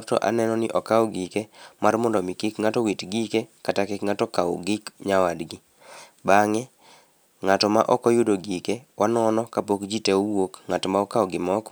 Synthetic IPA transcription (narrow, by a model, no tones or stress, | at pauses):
tɔ̰ʔa̰nɛnɔnɪ̰ʔɔkaɔɡikemarmɔndɔmɪkɪkŋatɔwitɡikekatakɪkŋatɔkao̰ɡɪkɲawadɡɪ | baŋɛ | ŋatɔmaʔɔkɔjʊdoɡikewʔanɔnɔkapokd͡ʒiteuwokŋatɔmaɔkaɔɡɪmɔk